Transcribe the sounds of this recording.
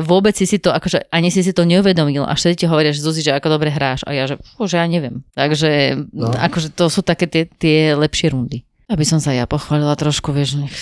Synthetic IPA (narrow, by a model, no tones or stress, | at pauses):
ʋʊɔbɛt͡ssisit̪ɔakɔʒɛʔaɲisis̬it̪ɔɲɛuʋɛd̪ɔmilʔa̰fʃt̪ɛd̪iciɦɔʋɔɾiaʒɛzuziʒɛakɔd̪ɔbɾɛɦɾaːʃa̰jaʒɛɔʒɛjaɲɛʋɪɛmt̪aɡʒɛa̰kɔʒɛt̪ɔsuːt̪akɛːt̪ɪɛt̪ɪɛlɛpʃɪɛɾund̪i | abisɔmsajapɔxʋaːlilat̪ɾɔʃkuʋɪɛʒɲɛx